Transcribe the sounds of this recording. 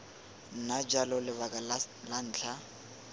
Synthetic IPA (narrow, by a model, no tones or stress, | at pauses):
n̩nad͡ʒalɔlɪβakʼallan̩ːt͡ɬʰa